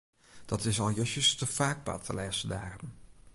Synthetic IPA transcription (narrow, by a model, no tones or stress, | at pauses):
d̥ɑtɪsɑlˠjəʃəstəfaːɡ̚pɑ̰tʰəlɛsədaːrəm